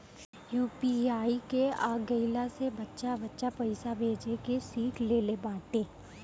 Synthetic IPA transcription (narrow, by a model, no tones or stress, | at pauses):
juːpiaːikeaːɡəɪlasebɐtːʃabɐtːʃapɐɪsabʱeːd͡ʒekesiːkʰleːlebaːt̪eː